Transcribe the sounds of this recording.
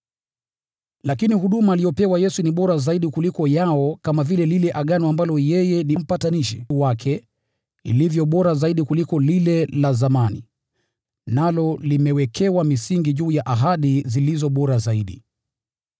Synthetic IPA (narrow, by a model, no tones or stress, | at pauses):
lakinihuɗumaːlijɔpɛwajɛsuniɓɔɾazaiɗikulikɔjaɔkamavilɛlilɛʔaɠanɔambalɔjɛjɛnim̩pataniʃɛwakʰɛ | ḭlivjɔɓɔɾazaiɗikulikɔlilɛlazamanḭ | nalɔlimɛwɛkʰɛwamisiŋɡiʄuːjaʔaɦaɗizilizɔɓɔɾazaiɗi